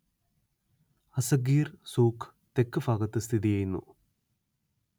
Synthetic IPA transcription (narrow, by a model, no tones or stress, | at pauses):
ɐsɐɡiːrsuːkʰ | t̪ekːɨfaːɡɐt̪ːɨst̪ʰiðijɐjunːṵ